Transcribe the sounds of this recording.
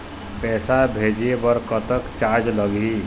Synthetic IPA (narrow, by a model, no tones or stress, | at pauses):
pɛsabʱed͡ʒiebəɾkət̪əkt͡ʃaɾd͡ʒləɡi